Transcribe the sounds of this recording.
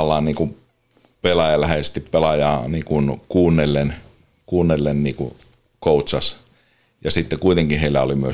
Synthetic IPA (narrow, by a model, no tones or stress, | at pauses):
lːˑɑːnniːku | pelɑjɑlæheest̪ippelɑjɑːniːkunkuːnːelːen | kuːnːelːenniːkṵ | kout̪sɑs | jɑsit̪ːekuit̪eŋkiheilːæolimyø